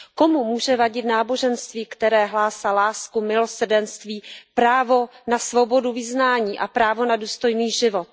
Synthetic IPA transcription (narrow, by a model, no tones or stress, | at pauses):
ko̞mumuːʒɛvaɟɪt̪naːbo̞ʒɛnst̪viːkt̪ɛɾɛːɦlaːsalaːskumɪlo̞sr̩dɛnst̪viːpɾaːvo̞nasvo̞bo̞duvɪznaːɲiːʔapɾaːvo̞naduːst̪o̞jniːʒɪvot̪̚